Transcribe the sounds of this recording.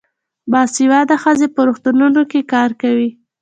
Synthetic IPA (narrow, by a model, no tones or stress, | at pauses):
bɑsiwɑd̪axəzepəɾuxt̪ununokekɑɾkawi